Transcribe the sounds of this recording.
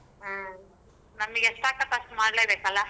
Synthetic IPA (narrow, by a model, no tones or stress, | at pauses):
ɦ | nɐmːɐɡɛsʈ̪aːkɐt̪ɐsʈmaːɽleːbeːkɐlːa